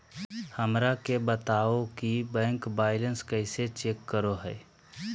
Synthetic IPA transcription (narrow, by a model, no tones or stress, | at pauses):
həmɾakebət̪aːokibɛ̃ːŋkbaːɪlə̃nskəɪset͡ʃeːkːəɾoɦɛ̰ː